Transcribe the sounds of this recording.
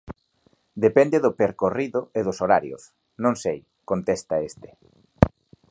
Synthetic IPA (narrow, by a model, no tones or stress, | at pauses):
d̪epɛnd̪eðʊpeɾkoriðʊeðʊsoɾaɾjʊ̰s | nõŋsej | kont̪est̪aest̪e̥